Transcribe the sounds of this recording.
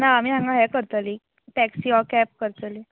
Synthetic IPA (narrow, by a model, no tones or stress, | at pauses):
naːmiːãŋɡaɦɛkəɾt̪ali | ʈɛksiɔkɛp̚kəɾt̪ali